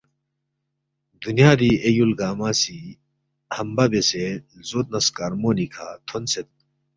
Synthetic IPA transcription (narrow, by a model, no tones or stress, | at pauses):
d̪unjaːd̪iejulɡaːmaːsi | hɐmbɐbese | zot̪̚nɐskaɾmoːnikʰat̪ʰonset̪̚